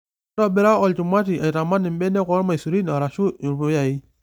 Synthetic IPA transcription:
ɾɔ˦be˦ɾa˦ɔ˨lt͡ʃu˨ma˦t̬i˨ʔa˨i˨ta˨ma˦nɪ˨m˦bɛ˦nɛ˦kɔ˦ɾma˨su˨ɾi˦n˨ɔ˨ɾa˨ʃu˦˨ɾbu˨˦ja˨i˦

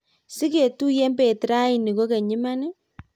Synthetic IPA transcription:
si˦ke˨tu˦je˦mbe˨tɾa˦i˨ni˨ko˦ke˨ɲi˦ma˦nɪ˦

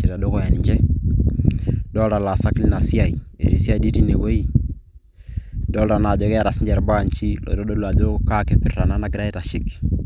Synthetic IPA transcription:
i˨ɾa˨do˦ko˦ja˨ni˨ɲd͡ʒɛ˦ | dɔ˦lta˨la˨sa˦kli˦na˨si˦a˦˨i˨ḛ˨ɾḭ˨si˦a˦jdi˦ti˦ne˨wo˦i˦ | do˦lta˨na˨d͡ʒɔ˨ke˦a˨ɾa˨si˦ɲd͡ʒe˨ɾba˦˨nt͡ʃi˦lɔ̰˨ɾo˦do˦lu˨a˨d͡ʒo˦ka˦ke˨pi˨ɾta˨na˦na˨˦ɡi˦ɾa˦i˦ta˨ʃɪ˦k

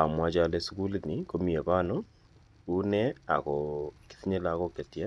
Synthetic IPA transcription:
a̰˨mwa˦d͡ʒale˨˦su˦ku˦lini˦ko˦mi˨e˨βa˦no˦ | u˦ne˦a̰˨ɣoki̥θi˦ɲe˦la˨˦ɣo˦ke˨tja˦

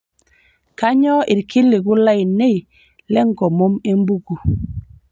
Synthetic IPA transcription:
ka˦ɲɔ˦ɪ˨ɾki˦lɪ˨ɡʊ˦la˦ɪ˨ne˦i˨ | lɛ˦ŋɡɔ˨mo˦me˦mbu˦ɡu˨

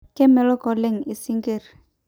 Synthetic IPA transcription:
kɛ˦mɛ˨lɔ˦kɔ˨lɛ˦ŋi˨si˦ŋɡe˨r

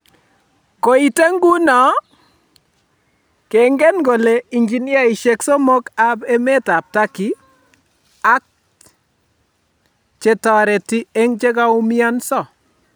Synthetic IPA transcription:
ko˨i˨te˦ŋɡu˦nɔ˨ | ke˨ŋɡɛ˦nɡo˨le˨i˨ɲd͡ʒi˨nja˦i˨ʃe˨kso˦mo˦ka˦pe˦me˦ta˨p̚ta˦ki˨ | a˦k̚ | t͡ʃe˨tɔ˨ɾɛ˨ti˦e˦ŋt͡ʃe˦ka˦u˦mi˦a˦nsɔ˦˨

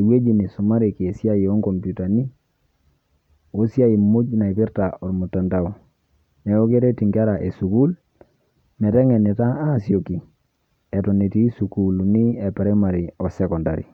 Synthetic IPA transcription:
e˨we˦d͡ʒi˨ni˨su˨ma˦ɾi˨ki˨e˨si˦a˦ji˨ɔ˦ŋkɔ˨mpu˨ta˨ni˦ | o˦si˦a˦i˨mu˦d͡ʒna˨i˨pi˦ɾta˨ʔɔ˨ɾmu˨tːa˨nta˦u˨ | nɛ˨o˦ke˦ɾe˦ti˨ŋɡi˦a˦ɾa˨ʔe˨su˨ku˦l | mɛ˨tɛ˦ŋɛ˨ni˨ta˦a˦˨sjo˨ki˨ | ɛ˨tɔ˨ne˨ti˦su˨ku˦lni˦e˨pɛ˨ɾɛ˦ma˨ɾi˨ɔ˨sɛ˦kɔ˨nda˨ɾḭ˨

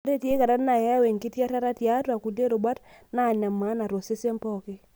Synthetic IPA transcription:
ɾe˦tje˦ka˨ɾa˦tna˨ja˦we˨ŋki˦tja˦ɾa˦ɾa˦tja˦twa˨ku˨de˦ɾʊ˨ba˦t | na˦˨ɲa˨ma˨˦na˨ɾo˨se˦se˦mpɔ˦kɪ˦

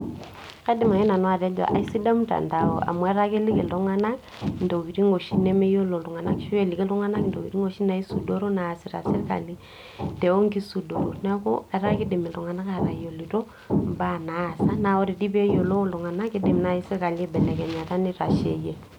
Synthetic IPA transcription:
ka˦di˨ma˨ŋi˦na˨nwa˦˨ɾɛ˦d͡ʒa̰˨ʔa̰˨i˦si˦da˦m˦ta̰˨nda˨o̰˨ʔa̰˨mu˨ɛ˦ɾa˦ke˦li˦kḛ˨lɔ˦ŋa˦na˦k | ndo˨ɡi˨ɾi˦ŋo˨ʃi˦nɛ˦me˦jo˦lo˨lu˨ŋa˨na˦kʃu˦e˦˨li˨ke˦lu˦ŋa˦na˦kndo˨ki˨ɾi˦ŋo˨ʃi˦na˨i˦su˨do˦ɾo˦na˨si˨ɾa̰˨si˦ɾka̰˨li˦ | tɛ˨o˦ŋki˦su˨do˨ɾo˨nɛ˦ko̰˦ɛ˦ɾa˦ki˦di˨mi˨lu˨ŋa˨na˦ka˨ɾa˨jo˨li˨to˦ | mba˦˨na˨˦˨sa˦na˨o˦ɾi˨di˦be˦jo˨lo˦lu˨ŋa˨na˦ki˦di˨mna˨˦i˦sɛ˦ka˨le˦bɛ˨nɛ˨kɛ˨ɲa˨ta˦ni˦ɾa˨ʃḛ˨je˨

